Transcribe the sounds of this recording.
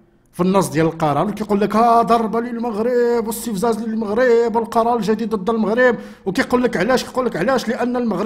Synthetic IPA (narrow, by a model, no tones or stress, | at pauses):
finːəs̬ˤd̪jæləlqɑɾˤɑnwkæjqulːəkhæd̪ɑɾˤbaləlməɣɾəbwəst̪əfzæzləlməɣɾəbwəlqɑɾˤɑɾəlʒæd̪id̪d̪ːlməɣɾəb̚ | wkæjqulːəkʕlæʃkæjqulːəkʕlæʃləʔənːəlməɣɾ